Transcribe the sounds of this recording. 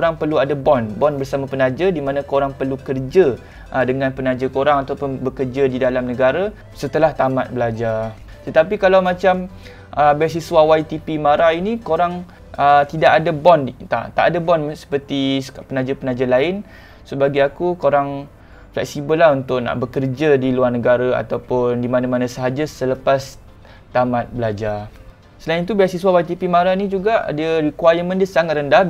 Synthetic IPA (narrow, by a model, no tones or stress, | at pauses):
kɾaŋpərluadabɔnbɔnbərsamapənãd͡ʒədimãnãkoɾaŋpərlukərd͡ʒə | ʔədəŋãnpənad͡ʒəkoɾaŋat̪awpʊnbəkərd͡ʒədidalamnəɡaɾa | sət̪əlaht̪amat̪̚bəlad͡ʒa | t̪ət̪apikalawmãt͡ʃam | ʔəbas̬iswawait̪ipimaɾainikoɾaŋ | ʔət̪idaʔadabɔnt̪a̰t̪a̰ʔadabɔnsə̥pərt̪isapənad͡ʒapənad͡ʒalaɪn | səbaɡiakukoɾaŋ | flɛ̰k̚sibəlaɦunt̪ʊʔna̰ʔbəkərd͡ʒadiluarnəɡaɾaa̰t̪awpʊndimanamanãsəɦad͡ʒasələpas | t̪amãt̪̚bəlad͡ʒa | səlaint̪ubajasiswawait̪ipimaɾainid͡ʒuɡaʔdiəɾikwajəmə̃ndiəsaŋat̪̚rəndah